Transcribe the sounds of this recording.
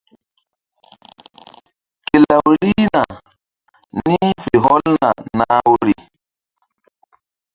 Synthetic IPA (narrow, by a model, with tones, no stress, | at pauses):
ke˨la˨wɾi˦na˨ | ni˦fe˨ɦɔ˦lna̰˨naː˦wɾi˨